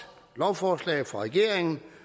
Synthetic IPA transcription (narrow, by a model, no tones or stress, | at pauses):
lɒʊfɒːslɛ̰ːð̩ˠfʁɑ̈ʁɛɡ̥e̝ɐ̰eŋn̩